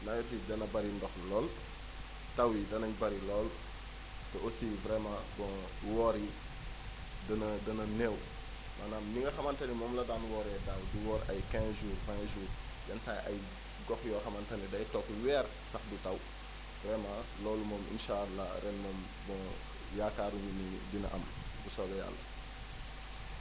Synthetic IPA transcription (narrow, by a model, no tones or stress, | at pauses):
nɐjɛtidɐnɐbɐɾindɔxlɔːl | tɐwidɐnɐɲbɐɾilɔːl | tɛosivɾɛmabɔ̃ | wɔːɾi | dɐnɐdɐnɐnɛw | manaːmniŋɡɐxɐmɐntɐnimɔːmlɐdaːnwɔːɾɛdawduwɔːɾɐ̰jkɛ̃ːsʒuːrfãʒuːr | jɐnsajʔɐ̰j | ɡɔxjɔxɐmɐntɐnidɐjtɔkwɛːr | sɐxdutɐw | vɾɛmãlɔːlumɔːmḭnʃaːalːa̰ɾɛnmɔːm | bɔ̃ | jaːkaːɾuɲuniɟinɐ̰ʔɐ̰m | busɔɡɛja̰lːɐ̰